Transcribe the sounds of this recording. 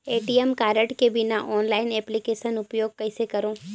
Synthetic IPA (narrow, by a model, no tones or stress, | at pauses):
eːʈiemkaːɾəʈkebɪnaʔɔːnlaːɪnɛːplikeːʃənʊpjoːɡ̚kɐɪsekɐɾõː